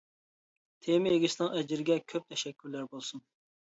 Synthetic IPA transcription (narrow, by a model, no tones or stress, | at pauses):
t̪ʰemɪeɡʲisnɨŋɛd͡ʒɪɾɪɡʲɛkʲʰøp̚t̪ʰɛʃɛkʲʰːyɾlæɾbolˠsun